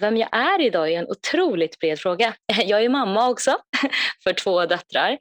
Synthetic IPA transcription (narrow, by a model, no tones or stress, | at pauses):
vɛmjɑ̰ːʔæɾɪd̪ɑːæɾɛnʔʊ̰t̪ʰɾuːlɪt̪bɾeːd̪fɾoːɡajɑːɡæɾmamːaɔksɔfœʈʰvoːd̪œt̪ːɾa̰ɾ